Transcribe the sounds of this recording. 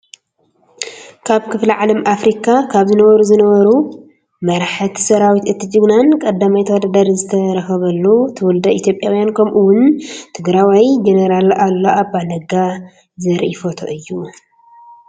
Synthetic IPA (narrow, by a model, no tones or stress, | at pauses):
kʰaβkʰɨfliʕalɐmʔafɾikʰakʰaβzɨnɐβɐɾuzɨnɐβɐɾu | mɐɾħɨt̪ʰsɐɾawit̪ɨt̪ʰːɨt͡ʃʼɨɡnankʼɐd̪ːamajt̪ʰɐwod̪ad̪aɾzɨt̪ʰɐɾɐxɐβɐlːut̪ʰɨwʊld̪ɐʔit̪ʰjo̞pʼːjawjankʰɐmʔuwʊnt̪ʰɨɡɾawajd͡ʒenɐɾalalːoʔabalɐɡa | zɐɾʔifot̪ʰo̰ʔɨjːu